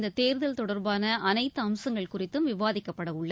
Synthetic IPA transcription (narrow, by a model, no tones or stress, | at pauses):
nd̪ɐt̪eːɾðɐlt̪ɔɽɐɾbaːnɐʔɐnɐɪt̪ːɯɐmsɐŋɡɐɭkʊrɪt̪ːɯmʋɪʋaːðɪkːɐpːɐɽɐʊɭːɐ